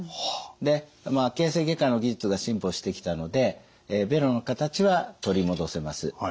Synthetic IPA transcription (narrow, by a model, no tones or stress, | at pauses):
d̪e̞makẽ̞ːse̞ɡe̞kãno̞ɡʲiʑɨt͡sɨɡaɕĩmpo̞ɕi̥t̪e̞kʲi̥t̪ano̞d̪e̞ | be̞ɾo̞no̞kat̪at͡ɕiβat̪o̞ɾʲimo̞d̪o̞se̞masɨ